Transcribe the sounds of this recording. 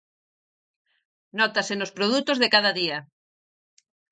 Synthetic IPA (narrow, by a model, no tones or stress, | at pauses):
nɔt̪asenospɾoð̞ut̪ozðekaðaðia